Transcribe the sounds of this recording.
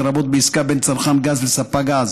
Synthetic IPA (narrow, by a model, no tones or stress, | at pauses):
ɾabot̪̚beiskabent͡saɾχanɡazlesapaɡaz